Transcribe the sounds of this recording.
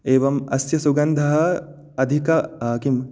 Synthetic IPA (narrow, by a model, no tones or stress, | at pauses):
eːʋɐmɐsjɐsuɡɐnd̪ʱɐɦɐ | ɐd̪ʱikɐaːkim